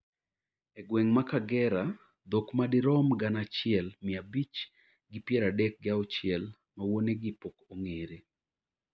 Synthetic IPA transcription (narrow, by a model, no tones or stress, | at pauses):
ɛɡwɛŋmakaɡɛɾa | d̪okmadɪɾɔmɡanat͡ʃɪɛlmɪabit͡ʃ | ɡɪpjɛɾadɛk̚ɡɪaɔt͡ʃɪɛl | mawoneɡɪpokoŋeɾe